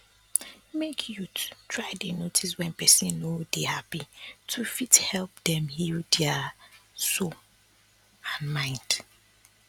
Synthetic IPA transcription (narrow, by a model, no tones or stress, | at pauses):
mekʰjutʰtʰɹaɪdenotʰiswɛ̃npʰɛsĩnːodehapitʰufithɛlp̚dɛ̃mhildɛa | so | ãnmãɪ̃nd̥